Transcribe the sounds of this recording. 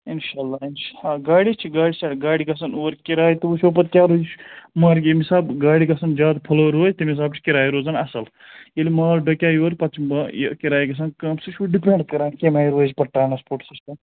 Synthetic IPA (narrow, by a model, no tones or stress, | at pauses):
inʃaːlːaːinʃaːɡaːɽit͡ʃʰiɡaːɽisɐʈɡaːɽikɐsɐnuːɾkiɾaːjit̪uuʃoːpɐt̪kʲaːɾoːd͡ʒt͡ʃʰmɐːɾkʲemisaːbɡaːɽikɐsɐnd͡ʒaːd̪pʰɐloːɾoːjt̪imis̬aːbt͡ʃʰi̥kiɾaːjɾoːzɐnɐsɐl | jelimaːlɖɐkʲjaːjoːɾpɐt͡ʃʰb̰kiɾaːjɡɐs̬ɐnkɐmsuʃʰuɖipʲẽːɳɖkɐɾãːnkʲemaːjɾoːd͡ʒpɐʈːaːnɐspoːʈsisʈɐm